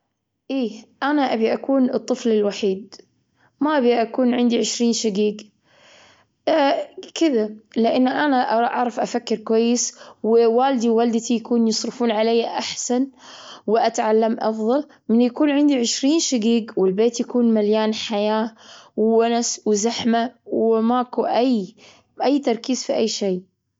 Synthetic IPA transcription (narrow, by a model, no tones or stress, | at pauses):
ʔiːʔanaʔabiʔakuːnɨt̪ˤːɨflɪlwaħiːd̪̚ | maʔabiʔakuːnʕɪnd̪iʕɪʃɾiːnʃaɡiːɡ | kɪðalɪʔɪnːʔanaʔʔɑʕɾˤɑfʔafakːɪɾkwajːɪswɪwaːld̪iwwald̪t̪ijakuːnjɨsˤɾɨfuːnʕalajːaʔaħsanwɪʔat̪ʕalːamʔɑfðˤɑl | mɪnːjakuːnʕɪnd̪iʕɪʃɾiːnʃaɡiːɡwɪlbeːt̪jakuːnmaljaːnħajaːwwanaswɪzaħmawɪmakuʔaj | ʔajːt̪ɑɾˤkiːzfiʔajːʃeː